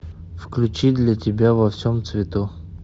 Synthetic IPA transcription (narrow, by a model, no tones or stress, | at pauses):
fklʲʉt͡ɕid̪lʲatʲɪbʲavɐfsʲomt̪svʲɪt̪u